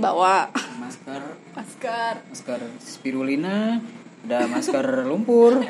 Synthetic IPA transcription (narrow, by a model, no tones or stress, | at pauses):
ba̰wamaskar | maskarmaskarsə̥piɾulinaudamaskarlumpʊr